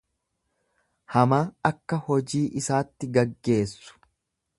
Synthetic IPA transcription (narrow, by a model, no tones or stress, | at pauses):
hɐmaːɐkːɐhɔd͡ʒiːʔɪsaːt̪ːɪɡɐɡːe̞ːsːʊ̥